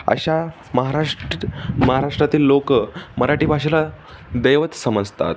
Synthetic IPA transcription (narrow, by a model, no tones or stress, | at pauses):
ə̰ɕa | məɦaɾaʂ | məɦaɾaʂʈɾat̪iːlːokməɾaʈiːbʱaʂila | d̪əjʋət̪səməd͡zt̪a̰t̪